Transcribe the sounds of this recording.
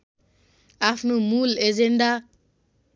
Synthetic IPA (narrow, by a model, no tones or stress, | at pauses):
afnumulezenda